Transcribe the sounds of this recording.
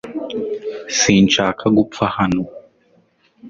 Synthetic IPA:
sint͡ʃakʰaɡup̪fahanu

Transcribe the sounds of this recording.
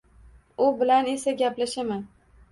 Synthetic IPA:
ʊbɪlane̞saɡʲaplaʃamɪ

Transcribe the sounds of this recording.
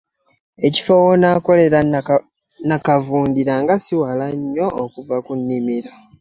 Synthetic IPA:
e̞ci̥fowonako̞le̞ɾa | nakavuːndiɾaŋɡasiwalaɲːo̞ːkuvakunːimiɾa

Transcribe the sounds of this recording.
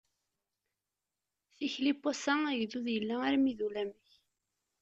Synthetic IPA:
θiçlipːosææʝðuðjəlːæaɾmiðulæməç

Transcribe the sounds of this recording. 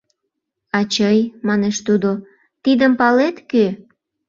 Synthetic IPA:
ɑt͡ɕəjmɑneʃt̪ud̪o | t̪id̪əmpɑlet̪kø

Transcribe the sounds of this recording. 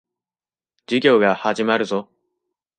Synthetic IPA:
d͡ʑiɡʲo̞ːɡahaʑimaɾɯ̟zo̞

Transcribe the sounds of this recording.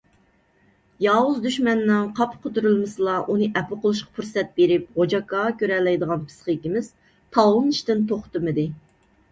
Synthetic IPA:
jɑːwuzd̪yʃmɛnːɨŋqʰɑpqʰot̪uɾɨlˠmɨsɨlˠɑʔunɨʔɛpʊqolˠuʃqɑ̥pʰuɾsɛt̪̚beɾɪp̚ʁod͡ʒɑkːɑkʲøɾɛlːɛjd̪əʁɑnpʰɨ̥sqəkʲimɪz̥ | t̪ʰɑwɨnɨʃt̪ɨnt̪ʰoχt̪ɨmɨd̪ɨ

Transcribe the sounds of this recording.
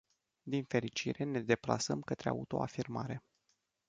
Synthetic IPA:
d̪infe̞ɾit͡ʃiɾʔe̞ne̞d̪e̞pla̰səmkət̪ɾea̰ut̪o̞̰afirma̰ɾe̞

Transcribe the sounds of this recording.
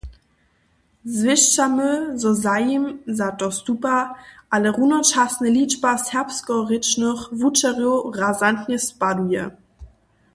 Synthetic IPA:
zvɪʃt͡saməzɔzajimzatɔstupaʔaləʁunɐt͡ʃasnəlit͡ʃpashɛɐpskɔʁɪt͡ʃnɔχvut͡ʃaʁjoʁazantɲəspadujə̰

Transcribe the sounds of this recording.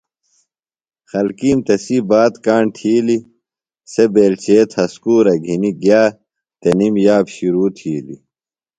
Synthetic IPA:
xɐlkiːmt̪ɐsibaːt̪kaːɳt̪ʰiːli | sebeːlt͡ɕeːt̪ʰhɐskuːɾɐɡʱiniɡjaː | t̪ɐnimjaːbɕiɾuːt̪ʰiːlḭ

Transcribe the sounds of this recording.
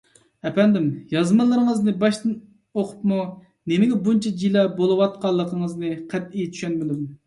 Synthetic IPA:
ɛpɛnd̪ɪmjɑzmɨlˠːəɾəŋəznɨbɑʃt̪ɨn | oqʰʊ̥pmu | nemɪɡʲɛbunt͡ʃʰɛd͡ʒilɛbolˠɨwɑt̪̚qɑlˠːəqʰəŋəznɨqʰɛt̪̚ijt͡ʃ̪ʰy̥ʃɛnmɪd̪um

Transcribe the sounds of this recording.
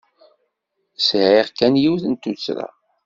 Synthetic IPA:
sʕeʁkːænjiwθənt̪ːut͡sːɾa̰

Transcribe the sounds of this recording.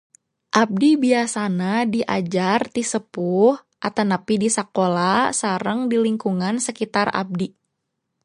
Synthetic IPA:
ʔab̚dibiasanadiʔa̰d͡ʒart̪isəpuh | ʔat̪anapidisakolasaɾəŋdiliŋkuŋansəkit̪ara̰b̚di

